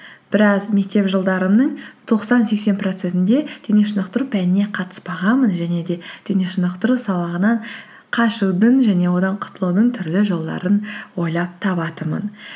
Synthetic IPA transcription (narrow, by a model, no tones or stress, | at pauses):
b̥ɪɾɑzme̞k̚t̪e̞pʒəlˠd̪ɑɾəmnəɴt̪ʰo̞qsɑnse̞kse̞npro̞t̪se̞nt̪ɪnd̪e̞d̪̥e̞neʃənəqt̪əɾupʰænɪne̞qʰɑt̪ə̥sbɑʁɑmənʒæne̞d̪e̞d̪̥e̞ne̞ʃʊnəqt̪əɾusɑlˠɑʁənɑɴ | qʰɑʃuwd̪əɴʒæne̞wo̞d̪ɑɴqʰʊ̥t̪əlˠud̪əɴt̪ʰʏɾlɪʒo̞lˠd̪ɑ̰ɾənwo̞jlˠɑp̚t̪ʰɑpɑt̪əmə̰n